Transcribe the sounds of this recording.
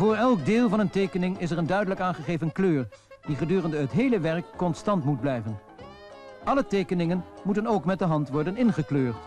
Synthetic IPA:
vʊːɹɛlˠɡ̚dɪːlˠvɑnəntejkənɪŋɪs̬ɛɹəndœɥdələkaːnχəχejvənkløːr | d̥iχədyːrəndəɦətɦejləʋɛɹkːɔnstɑntmud̚blɛjvən | ʔɑlətejkənɪŋənmutənowkmɛt̚dəɦɑntʋɔɹdənɪnχəkløːɹt

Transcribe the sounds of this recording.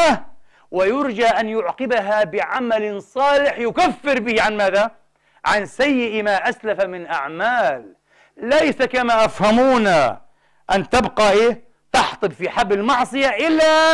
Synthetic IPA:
a | wɪjʊɾd͡ʒaʔanjʊʕqɪbaɦabɪʕamalsˤɑːlɪħjʊkafːɪɾbɪhʕanmaːða | ʕansajːɪʔmaːʔaslafamɪnʔaʕmaːlː | ajsakamaːʔafhamuːna | ʔant̪abqɑʔeːh | t̪ɑħt̪ˤɨbfiħabːɪlmɑʕsˤɨjaʔɪlːa

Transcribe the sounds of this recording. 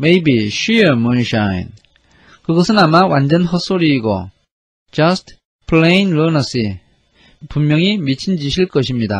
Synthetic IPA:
mejbiɕɥiʌmʌnɕaj̰n | kɯɡʌsʰɯnamawand͡ʑʌnɦʌs͈oɾiːɡo̰ | t͡ɕʌst̚ | pʰɭenlonʌsi | pummjʌŋimit͡ɕʰind͡ʑiɕʰiɭkʌɕʰimɲida̰

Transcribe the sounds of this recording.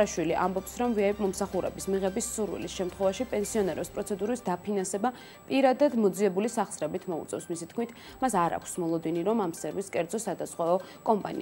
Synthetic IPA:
aʃwiliʔa̰mbɔpsɾɔmviaimɔmsaχuɾɛ̰bismiʁɛbisuɾwḭlisʃɛmt̪ʰχwɛvaʃipʼɛnsiɔnɛɾɛpspʼɾɔt̪sʰɛd̪uɾisd̪apʰinansɛba | pʼiɾad̪ad̪mɔd̪ziɛbulisaχsɾɛbit̪ʰmɔṵt̪sʼɛ̰fsmisit̪kʰmit̪ʰ | masaɾa̰kʰsmɔlˠɔd̪iniɾɔmamsɛɾviskʼɛɾd̪zɔsad̪asqʼwɛɔkʼɔmpʼa̰nḭ

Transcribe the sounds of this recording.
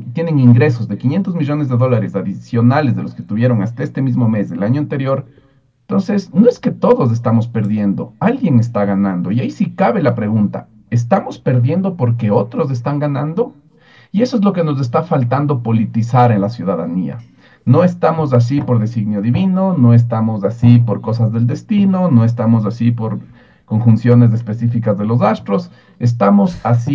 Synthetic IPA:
t̪je̞ne̞ŋiŋɡɾe̞so̞zðe̞kinje̞nt̪o̞zmiʝo̞ne̞zðe̞ðo̞laɾe̞saðisjo̞nale̞zðe̞losket̪uβje̞ɾo̞ŋast̪ae̞st̪e̞mizmo̞me̞zðe̞laɲoant̪e̞ɾjo̞ɾ | nt̪o̞nsesno̞e̞ske̞t̪o̞ðo̞s̬e̞s̬t̪amo̞spe̞ɾðje̞nd̪o̞̰alɣje̞ŋe̞st̪aɣanand̪o̞iaisikaβe̞lapɾe̞ɣunt̪a̰ | e̞s̬t̪amo̞spe̞ɾðje̞nd̪o̞po̞ɾk̬e̞o̞t̪ɾo̞s̬e̞s̬t̪aŋɡanãnd̪o̞ | ie̞so̞ezlo̞ke̞no̞s̬e̞s̬t̪afalt̪and̪o̞po̞lit̪isaɾe̞nlasjuðaðania̰ | no̞e̞st̪amo̞s̬as̬ipo̞ɾðe̞siɣnjo̞ðiβino̞no̞e̞s̬t̪amo̞zasipo̞ɾko̞s̬azðe̞ld̪e̞st̪ino̞no̞e̞s̬t̪amo̞s̬asipo̞ɾ | ko̞ŋxunsjo̞ne̞s̬e̞spe̞sifikazðe̞lo̞s̬ast̪ɾo̞s | es̬t̪amo̞sasi

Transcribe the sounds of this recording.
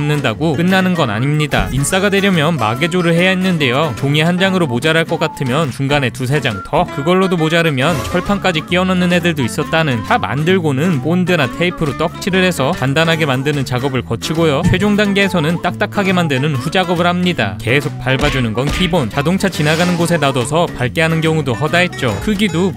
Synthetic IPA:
mnɯndaɡok͈ɯnːanɯnɡʌna̰ɲimɲida̰ins͈aɡadwe̞ɾjʌmjʌnma̰ɡe̞d͡ʑoɾɯɭhe̞jainːɯnde̞jokoŋeɦand͡ʑaŋɯɾomod͡ʑaɾaɭk͈ʌk͈atʰɯmjʌnt͡ɕuŋɡane̞tus̬ʰe̞d͡ʑaŋtʰʌkɯɡʌɭːodomod͡ʑaɾɯmjʌnt͡ɕʰʌɭpʰank͈ad͡ʑik͈iʌnanːɯnɦe̞dɯɭdois͈ʌt̚t͈anɯntama̰ndɯɭɡonɯnp͈ondɯnatʰe̞ipʰɯɾot͈ʌk̚t͡ɕʰiɾɯɭɦe̞sʰʌkandanɦaɡe̞mandɯnɯnt͡ɕaɡʌbɯɭkʌt͡ɕʰiɡojot͡ɕʰwe̞d͡ʑoŋdaŋɡeːsʰʌnɯnt͈ak̚t͈akʰaɡe̞mandɯnɯnɸud͡ʑaɡʌbɯɭɦhamɲida̰ke̞sʰok̚p͈aɭbad͡ʑunɯnɡʌnpʰibont͡ɕadoŋt͡ɕʰat͡ɕinaɡanɯnɡosʰe̞nadʌsʰʌpaɭk͈eɦanɯnkjʌŋudoɦʌdaɦe̞t̚t͡ɕ͈o̰kʰɯɡido

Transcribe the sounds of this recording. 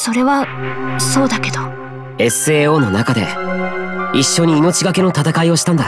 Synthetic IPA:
so̞ɾe̞βaso̞ːd̪ake̞d̪o | e̞sɨe̞ːo̞ːno̞nakad̪e̞̰ | iɕːo̞ɲ̟iːno̞t͡ɕiɡake̞no̞t̪at̪akaio̞ɕi̥t̪ãnd̪a

